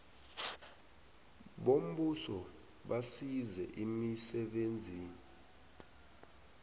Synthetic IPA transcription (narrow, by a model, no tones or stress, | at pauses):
ɓom̩ɓusɔ | ɓasizɛʔimisɛɓend͡zʱiːni